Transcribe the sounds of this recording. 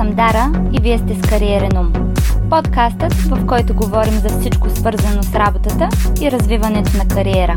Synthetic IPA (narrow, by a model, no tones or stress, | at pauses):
ɐmd̪aɾəiviɛst̪ɛskɐɾiɛɾɛnum | pot̪kast̪ət̪vɐfkɔjt̪ʊɡovɔɾimzɐfsit͡ʃkosvɤɾzɐnosɾabot̪ət̪əiɾɐzvivɐnɛt̪onɐkɐɾiɛɾə